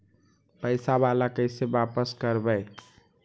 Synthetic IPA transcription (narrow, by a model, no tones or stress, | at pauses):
pəɪsabalakəɪsebapəskəɾbəj